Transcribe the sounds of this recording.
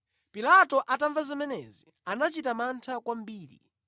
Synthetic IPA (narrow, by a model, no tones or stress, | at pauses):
pilatɔʔataɱvazimɛnɛzi | anat͡ʃitamantʰakwam̩biːɾḭ